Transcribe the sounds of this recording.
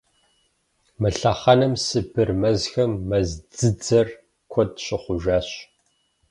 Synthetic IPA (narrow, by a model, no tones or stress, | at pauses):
mɨɬɐχɐnɨmsɨbɨrmɐzxɐmːɐzd͡zɨd͡zɐr | kʷʰɔdɕɪχʷʊʒaːɕ